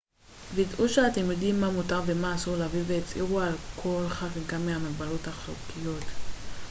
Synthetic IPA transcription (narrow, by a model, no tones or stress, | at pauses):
viidʔuʃeatemjodimːamutaʁvemaːsulaviveet͡sḭʁualkʰo̞lχaʁɡamːeamabalotaχlṵkijo̞t